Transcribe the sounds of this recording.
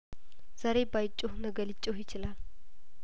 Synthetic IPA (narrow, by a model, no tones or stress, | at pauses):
z̥aɾe̞bajt͡ʃʼːohnəɡəlɪt͡ʃʼːojɪt͡ʃɪlal